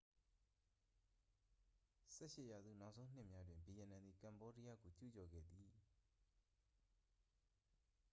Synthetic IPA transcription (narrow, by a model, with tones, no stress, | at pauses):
sɛ̰˦˨ʃɪ˦˨ja˨zṵ˦˨na˦ʔsʰõ˦ʊ̃n̥ɪ˦˨mja˦dwɪ̃˨mbi˨jɛ˨nã˨nd̪ði˨kã˨mbɔ˦di˦ja̰˦˨ɡo˨t͡ɕṵ˦˨t͡ɕɔ˨ɡɛ̰˦˨d̪ði˨